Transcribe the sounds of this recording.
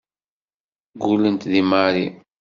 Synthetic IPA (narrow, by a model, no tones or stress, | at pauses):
ɡulənt̪ðimaɾi